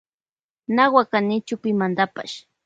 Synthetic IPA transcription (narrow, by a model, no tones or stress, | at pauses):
nawakanɪt͡ʃʊpɪmand̪apa̰ʃ